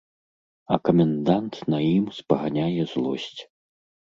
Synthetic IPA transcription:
ɐkɐmʲɛnd̪ant̪nɐjimspɐɣanʲajɛzlˠɔsʲt͡sʲ

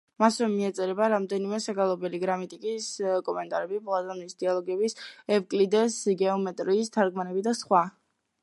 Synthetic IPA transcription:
masvɛmiɛt̪sʼɛɾɛbaɾamd̪ɛnimɛsaɡalˠɔbɛliɡɾamit̪ʼikʼiskʼɔmɛnt̪ʼaɾɛbiplˠazanisd̪ialˠɔɡɛbisɛvkʼlid̪ɛsɡɛɔmɛt̪ʼɾiːst̪ʰaɾɡmanɛbid̪asχwa

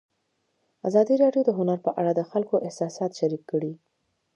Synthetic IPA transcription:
a̰zɑd̪iɾɑɖjod̪əɦʊnaɾpəʔaɽad̪əxalkoʔɪhsɑsɑt̪ʃaɾikːəɽi

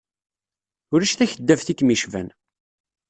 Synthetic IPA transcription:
ʊɾæʃθæçəd̪ːævθikːmiʃvæ̰n

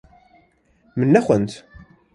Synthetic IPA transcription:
mənːæxʷənt̪

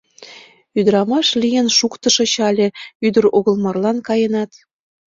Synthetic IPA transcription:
yd̪əɾɑmɑʃlʲijə̆nʃukt̪ə̆ʃɤ̆t͡ɕɑlʲĕyd̪ə̆ɾoɣə̆lˠmɑrlɑnkɑjənɑt̪

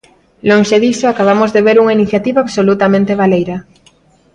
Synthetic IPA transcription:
loŋʃeðisoakaβ̞amozðeβeɾuŋainiθjat̪iβaːβsolut̪amẽnt̪eβ̞alejɾɐ

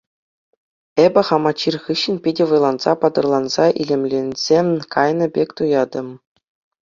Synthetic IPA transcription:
ebʲɘ̆χɑmɑt͡ɕːirχɯɕːɘ̆npʲidʲɘ̆ʋɤ̆jlˠɑnzɑpɑd̪ɤ̆rlˠɑnzɑʔḭlʲemʲlʲenʲz̥ʲemʲkʰɑjnɤ̆bʲekʲt̪ujɑd̪ɤ̆m

